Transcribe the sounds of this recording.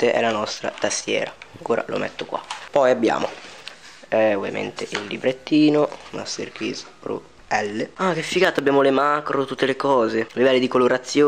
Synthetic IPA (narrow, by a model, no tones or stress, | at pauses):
t̪eʔɛ̰lanɔst̪ɾa̰t̪ast̪jɛ̰ːɾakuːɾa̰lo̰mɛ̰t̪ːokwa̰pɔjabːja̰ːmo̰ | ɛovja̰mḛnt̪eʔilːibɾet̪ːiːnoma̰st̪ḛrkɾḭzpɾṵ | ɛlːeak̟efːiɡaːt̪oabːjaːmolemakɾot̪ut̪ːelekɔːzelivɛlːid̪ikoloɾat̪sːjoː